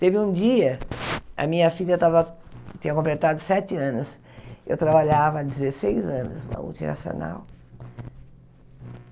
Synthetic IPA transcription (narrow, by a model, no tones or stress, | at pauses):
t̪evɪũd͡ʒiɐɐ̰mĩɲɐfiʎɐt̪avɐ | t͡ʃ̪ĩɲɐkõmplet̪ad̪ʊsɛt͡ʃɪɐ̃nʊs | ḛwt̪ɾabaʎavɐd͡ʒ̪ɪzesejzɐ̃nʊsnɐ̰mṵlt͡ʃḭna̰sio̰na̰w